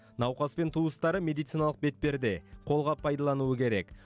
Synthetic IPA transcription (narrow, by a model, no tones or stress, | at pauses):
nɑwqɑspe̞nt̪ʰuəst̪ɑɾəmʲe̞d̪ijt̪sijnɑlˠəq̚be̞t̪̚pe̞ɾd̪e̞qʰo̞lˠʁɑpʰɑjd̪ɑlˠɑnuəkʲʰe̞ɾe̞k